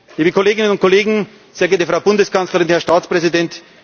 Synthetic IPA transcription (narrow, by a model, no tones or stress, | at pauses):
liːbəkʰoleːɡɪnənʊnt̚kʰoleːɡŋ̩ | zeːɐɡɛɐtəfʁaʊbʊndəskʰant͡slɐʁɪnhɛɐʃtaːt͡spʁ̥ɛzidɛnt